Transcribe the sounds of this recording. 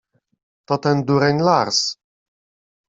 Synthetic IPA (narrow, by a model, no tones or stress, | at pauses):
t̪ɔt̪ɛnd̪uɾɛnʲlaɾs